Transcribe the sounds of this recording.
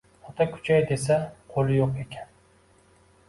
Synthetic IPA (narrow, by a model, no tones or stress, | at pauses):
ot̪ʰɑkʲʰy̥t͡ʃʰɛjd̪esɛqʰolˠɪjoqekʲʰɛn